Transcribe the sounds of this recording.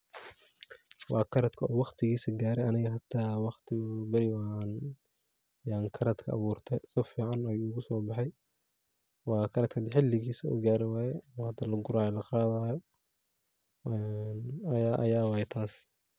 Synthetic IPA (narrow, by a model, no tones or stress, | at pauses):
wʔɑːkʰɐɾɐd̪kʰɐɔwɑqt̪ʰɪɣiːsɐɡaːɾɛɐnɪɣɐɦɐd̪̥ʰaːwɑχt̪ʰɪbɐɾɪan | jaːŋkʰɐɾɐd̪kʰɐɐ̰βuːrt̪ʰɛsɔfiːʕɑnɐjuʊɣʊsɔːbɑħɑj | wɑːkʰɐɾɐd̪̚kʰɐd̪ɪħɪlːɪɣiːsɐṵːɡaːɾɪwɑːjɛɔːhɐd̪alɐɡʊɾaːjlɐqɑːðaːjɔ | ɛnjaːʔɐ̰jaːwɑːjɛt̪ʰaːs